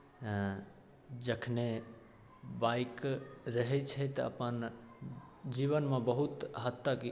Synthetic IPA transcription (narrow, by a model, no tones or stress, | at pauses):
d͡ʒəkʰne | baikɾəɦɛt͡ʃʰɛt̪ə̰pən | d͡ʒiβənmebəɦut̪ɦət̪ːak